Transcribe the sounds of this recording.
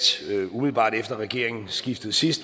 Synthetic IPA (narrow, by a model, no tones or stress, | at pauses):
umiðl̩bɑ̰̈ːd̥efd̥ɐʁɛɡ̥e̝ɐe̝ŋn̩sɡ̥ifd̥ð̞̩ˠsisd̥